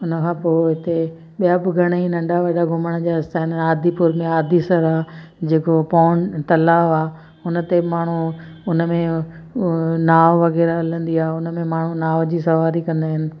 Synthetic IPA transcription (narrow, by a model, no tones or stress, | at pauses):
ʊnəkʰãːpoːɦɪt̪e | ɓijabɪɡʱɐɽ̃əinɐ̃ɳɖaʋɐɗaɡʱʊməɽ̃əd͡ʑaːɪst̪aɦɪnaːd̪ʱipʊɾmẽaːd̪ʱisɐɾaːd͡ʑeːkopaːnt̪ɐlaːʋaː | ʊnə̆t̪emaːɳ̤u | ʊnə̆mẽ | naːʋʋɐɣɛːɾaɦɐlə̃nd̪iaːɦeʊnə̆mẽmaːɳ̤ũnaːʋd͡ʑiːsɐʋaːɾikɐ̃nd̪aːɦɪnɪ̆